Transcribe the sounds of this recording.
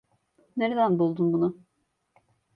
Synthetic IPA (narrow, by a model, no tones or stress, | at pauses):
neɾed̪ænbulˠd̪unbunʊ